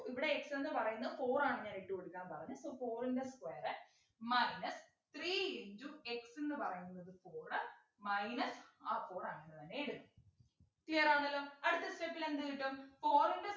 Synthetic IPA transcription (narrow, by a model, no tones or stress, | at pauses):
iʋiɽe̞ːksenːɨpɐrɐjunːɐðɨfo̞ːraːɳɨɲaːneʈːɨkoɽukʲːaːnpɐrɐɲːusoːfo̞ːrindeskweːɐrɨ | mɐjnɐs | t̪riːiɲd͡ʑue̞ksenːɨpɐrɐjunːɐðɨfo̞ːrɐ | mɐjnɐsaːfo̞ːraːɳenːɨt̪ɐnːe̞eɽut̪ːu | t̪iːɐraːnːɐlːɐmɐɽɨt̪ːɐstepːilend̪ɨiʈːumfo̞ːrinde